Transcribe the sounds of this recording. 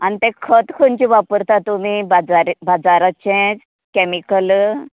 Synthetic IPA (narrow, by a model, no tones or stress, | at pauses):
anit̪ɛ̃kʰət̪kʰənt͡ɕiʋapəɾt̪at̪um̤ibad͡zaɾbad͡zaɾat͡ɕẽd͡z | kɛmikəl